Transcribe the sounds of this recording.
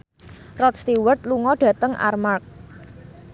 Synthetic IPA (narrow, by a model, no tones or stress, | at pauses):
rɔt̪̚st̪iwərt̪̚luŋɔɖ̥ä̤t̪əŋʔa̰rmark̚